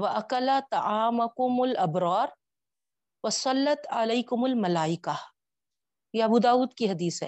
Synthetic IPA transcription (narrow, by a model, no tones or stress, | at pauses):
wɐʔɐkɐlat̪ɑʕaːmakʊmʊlʔɐbɾɑːɾ | wɐsˤɑlːɐt̪ʕaleːkʊmʊlmɐlaːɪka | jeɐbuːd̪aːuːd̪kiɦɐd̪iːsɦɛ̰ː